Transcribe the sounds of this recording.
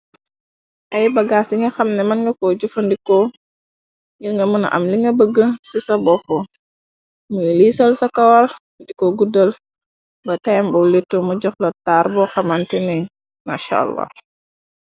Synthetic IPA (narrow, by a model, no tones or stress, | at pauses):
ʔɐjbɐɡasiŋɡɐxɐmnɛmɐnŋɡɐkoɟufɐndikɔ | jəŋɡɐmuna̰ʔɐ̰mliŋɡɐbəɡːəsisɐbɔfɔ | mulisɔlsɐkɐwal | ndikɔɡudəl | bɐtajmbɔlitːomuɟɔxlɔtaɾbɔxɐmantɛni | ma̰ʃa̰lːa̰